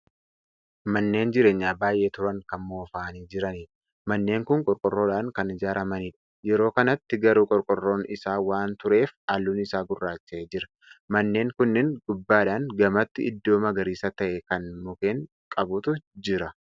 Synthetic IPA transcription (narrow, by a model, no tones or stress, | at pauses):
mɐnːe̞ːnd͡ʒɪɾe̞ːɲːaːbaːjʔe̞ːt̪ʊɾɐŋkɐmmoːfaːniːd͡ʒɪɾɐniːᶑ | mɐnːe̞ːŋkʊŋkʼɔɾkʼɔrːo̞ːᶑaːŋkɐnɪd͡ʒaːɾʔɐmɐniːᶑɐ̥jɛɾo̞ːkɐnɐt̪ːɪɡɐɾuːkʼɔɾkʼɔrːo̞ːnɪsaːwaːnt̪ʊɾe̞ːfaːlːuːnɪsaːɡʊrːaːt͡ʃːed͡ʒɪɾɐ̥ | mɐnːe̞ːŋkʊnːɪŋɡ̥ʊbːaːᶑaːŋɡɐmɐt̪ːɪɪd̪ːo̞ːmɐɡɐɾiːsɐt̪ɐʔɛkɐnmʊkeːŋ | kʼɐbʊt̪ʊd͡ʒɪɾɐ